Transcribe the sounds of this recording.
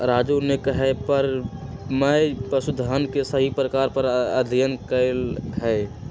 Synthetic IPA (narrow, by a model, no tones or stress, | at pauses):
ɾaːd͡ʒunekəɦɛpəɾ | məpəsud̪ʱɦənkesəɦipɾəkaːɾpəɾəd̪ʱijənkəɪlɦɛ